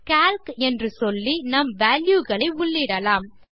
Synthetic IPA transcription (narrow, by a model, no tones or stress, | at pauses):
kaːlkɛndrɯsɔlːinɐmʋaːljuɣɐɭɐɪʊɭːɪɽɐlaːm